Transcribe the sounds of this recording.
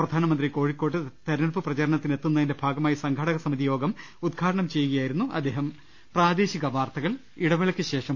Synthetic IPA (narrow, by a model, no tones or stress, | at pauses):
prɐd̪ʱaːnɐmɐnd̪riko̞ːɻikʲːo̞ːʈ̬ːɨt̪ɐɾnɐɭpɨprɐt͡ɕɐɾɐɳɐt̪ːine̞t̪ːunːɐðinde̞bʱaːɡɐmaːjisɐŋɡʱɐɽɐɣɐsɐmiðijo̞ːɡɐm | ud̪̚ɡʰʱaːɽɐɳɐmt͡ɕe̞juɣɐjaːjiɾunːuʔɐ̰d̪ːe̞ːɦɐm | praːd̪e̞ːɕiɣɐʋaːrt̪ɐɣɐɭ | iɽɐʋiɭɐkʲːɨɕe̞ːʂɐm